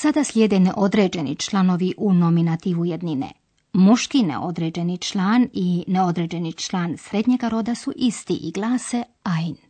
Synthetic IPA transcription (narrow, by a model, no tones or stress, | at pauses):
sad̪aslʲjeːd̪e̞neʔo̞d̪ɾe̞ːd͡ʒe̞nḭt͡ʃlˠano̞ʋiʔuno̞minat̪iːʋujed̪ninḛ | muʃkinḛʔo̞d̪ɾed͡ʑe̞nit͡ʃlˠaːnineo̞d̪ɾe̞ːd͡ʑe̞nit͡ʃlˠaːnsɾe̞d̪ɲe̞ɡaɾo̞d̪asuʔist̪ḭʔiɡlˠaːse | ajn